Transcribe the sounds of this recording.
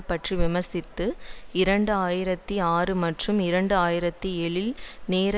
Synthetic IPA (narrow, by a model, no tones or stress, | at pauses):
pːɐʈriʋɪmɐɾsɪt̪ːɯɪɾɐɳɖɯaːjɪɾɐt̪ːiaːrɯmɐʈrɯmɪɾɐɳɖɯaːjɪɾɐt̪ːiɛɭɪlneːɾ